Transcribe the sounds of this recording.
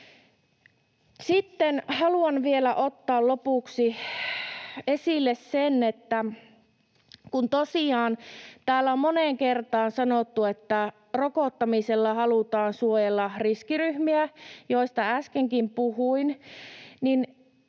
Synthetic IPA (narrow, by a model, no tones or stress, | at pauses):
sit̪ːenhɑluɑnʋielæʔot̪ːɑːllopuˑksi | esilːessenet̪ːæ | kunt̪osiɑːnt̪æːlːæommoneŋkert̪ɑːnsɑnot̪ːuet̪ːæ | rokoˑt̪ːɑmiselːɑhɑlut̪ɑːnsuojelːɑriskiryhmiæjoist̪ɑæskeŋkimpuhuin | nin